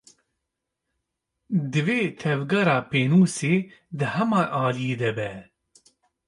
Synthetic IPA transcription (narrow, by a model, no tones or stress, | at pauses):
d̪ɨveːt̪ʰɛvɡɑɾɑːpeːnuːseːd̪ɨhɛmɑːʔɑːlijeːd̪ɛbɛ